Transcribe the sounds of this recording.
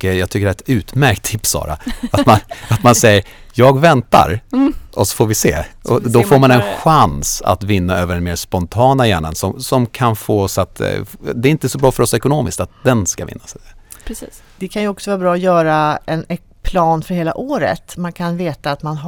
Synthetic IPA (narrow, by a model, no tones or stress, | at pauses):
kjɑɡt̪ʰʏkːəɖɛt̪ʉ̟ːt̪mæɾk̚t̪ʰːɪpsːɑ̰ːɾa̰amanat̪mansɛjːəɾ | jɑːɡvɛnt̪a̰ɾʔɔsɔ̥foːɾvɪsḛːɔd̪ɔfoːɾmanɛnɧansa̰t̪vɪnːaøːvəɖɛnmeːspɔnt̪ʰɑːnajæːɳə̰nsɔmsɔmkʰanfoːɔsat̪d̪ɛɾɪnt̪əsɔbɾɑːfœɾɔsɛkʊnoːmɪskt̪at̪̚d̪ɛnskavɪ̰nːasɛpʰɾɛsiːs | d̪̥ɛkʰanjɵɔksɔvɑːɾabɾɑːɔjœːɾaɛnɛ | pʰlɑːnfœɾheːla̰ʔoːɾə̰t̪mankʰanveːt̪aːt̪manɦ